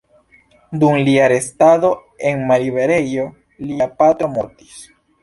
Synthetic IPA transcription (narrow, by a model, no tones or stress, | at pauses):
d̪uŋliaɾest̪aðo̞ | eŋmaɾiβeɾejo̞ | liapat̪omoɾt̪i̥s